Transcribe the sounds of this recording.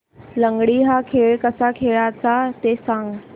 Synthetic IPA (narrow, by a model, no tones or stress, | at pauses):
ləŋɡɽiɦakʰeɭkəsakʰeɭat͡sat̪esãŋɡ